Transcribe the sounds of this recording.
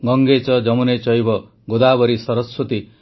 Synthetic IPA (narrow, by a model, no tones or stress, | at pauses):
ɡɔŋɡet͡ʃɔd͡ʒɔmunet͡ʃɔjibɔ | ɡod̪abɔɾisɔɾɔswɔt̪i